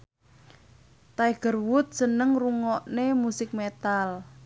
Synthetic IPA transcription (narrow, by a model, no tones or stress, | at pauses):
t̪ajɡ̥ərwʊt̪̚sənəŋruŋɔʔnemusɪk̚met̪al